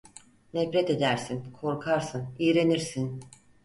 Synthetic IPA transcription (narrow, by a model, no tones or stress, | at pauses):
nɛfɾet̪e̞d̪æɾsinkʰo̞ɾkʰaɾsɯnijɾe̞niɾsin